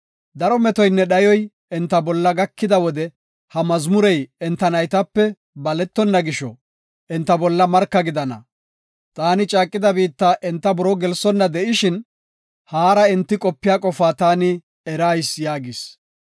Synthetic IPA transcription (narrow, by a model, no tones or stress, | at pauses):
d̪ɐɾɔmɛt̪ɔjnːɛɗɐjɔj | ɛnt̪ːɐbɔlːɐɡɐkːɪd̪ɐwɔd̪ɛ | hɐmɐzmʊɾɛjɛnt̪ːɐnɐjt̪ɐpːɛ | bɐlɛt̪ːɔnːɐɡɪʃɔ | ʔɛnt̪ːɐbɔlːɐmɐɾkːɐɡɪd̪ɐnɐ̰ | t̪ʼaːnɪt͡ʃʼaːkʼːɪd̪ɐbiːt̪ːaːʔɛnt̪ːɐbɔɾɔɡɛlsɔnːɐd̪ɛʔɪʃɪn | haːɾɐɪnt̪ːɪkʼɔpːɪjaːkʼɔfaːt̪aːnɪ | ɛɾaːjsjaːɡɪs